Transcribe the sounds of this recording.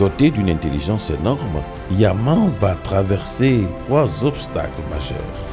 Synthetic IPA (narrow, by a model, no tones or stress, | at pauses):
ɔt̪ed̪ynɛ̃t̪eliʒɑ̃senɔʁm | jamɑ̃vat̪χavɛʁset̪χwazɔpst̪a̰kləma̰ʒœ̰ʁ